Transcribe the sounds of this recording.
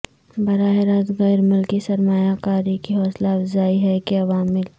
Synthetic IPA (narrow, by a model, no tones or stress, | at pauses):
bɐɾaːɦeɾaːzɣɛːɾmʊlkisɐɾmaːjakaːɾikiɦɔːslafzaːiɦɛkeɐʋaːmːɪl